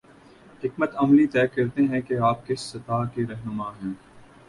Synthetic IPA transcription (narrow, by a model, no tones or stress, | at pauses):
ɦɪkmət̪ɐmlit̪ɛːkɐɾt̪eɦɛ̃keaːp̚kɪsːɐt̪aːkeɾɛɦnʊmaːɦɛ̃ː